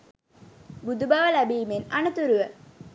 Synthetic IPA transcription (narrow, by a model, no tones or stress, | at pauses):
bud̪ubaːʋəlæbiːmenɐnut̪uɾuʋə